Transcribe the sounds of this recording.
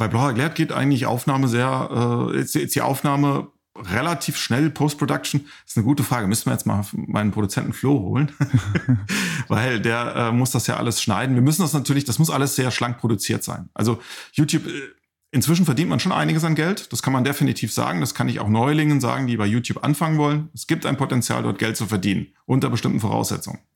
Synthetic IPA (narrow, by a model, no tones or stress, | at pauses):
b̥aɪblaʊɐɡlɛːɐt̚ɡ̥eːtʔa̰ɪɡŋ̩tlɪçʔa̰ʊfnaːməzeːɐʔɛ̰ːɛ̰ɛstiːʔa̰ʊfnaːmə | ʁelatʰiːfʃnɛlpʰoʊst̚pʰʁ̥odak̚t͡ʃn̩ | ɪstnəɡuːtəfʁ̥aːɡəmʏsn̩viːɐjɛt͡stma̰ːfmʔa̰ɪnəmpʁ̥oɾut͡sɛntn̩kʰloːho̰ːlən | va̰ɪldeːɐʔɛːmʊsd̥asja̰ːʔa̰ləsʃna̰ɪdn̩viːɐmʏsn̩dasnatʰyːɐlɪçd̥asmʊsʔaləsz̥eːɐʃlaŋk̚pʁ̥odut͡siːɐtz̥a̰ɪnʔa̰lzojuːtjuːp | ʔɪnt͡sv̥ɪʃ̬n̩fɛɐdiːntmanʃoːnʔa̰ɪnɪɡəs̬anɡɛltd̥askʰanmandefinitʰiːfz̥a̰ːɡŋ̩d̥askʰanɪçaʊxnɔʏlɪŋənza̰ːɡŋ̩diːbaɪjuːtʰjuːpʔa̰nfaŋənvɔlənɛsɡ̥iːp̚tʔaɪnmpʰotɛnt͡sja̰ːldɔ̰ɐt̚ɡ̥ɛlt̚t͡sufɛɐdiːnə̰n | ʔʊntɐbəʃtɪmtn̩foʁa̰ʊsz̥ɛ̰t͡sʊ̰ŋə̰n